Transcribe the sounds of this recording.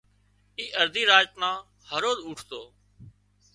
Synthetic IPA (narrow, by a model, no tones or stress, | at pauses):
iːʔəɾd̪ʱiːɾaːd͡ʒt̪nãː | həɾoːzuːʈʰt̪oː